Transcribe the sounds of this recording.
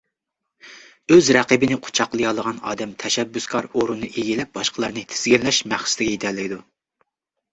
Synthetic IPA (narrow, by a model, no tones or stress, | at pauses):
øzɾɛqəbɪnɪqʰʊ̥t͡ʃʰɑqlˠɨjɑlˠəʁɑnɑ̰ːd̪ɛmt̪ʰɛʃɛbːyskʰɑɾoɾunːɨʔeɡʲilɛp̚bɑʃqʰəlˠɑɾnɨt̪ʰɪ̥z̥ɡʲiɾlɛʃmæχst̪ɪɡʲɛjit̪ʰɛɾlːɪkʲɪd̪u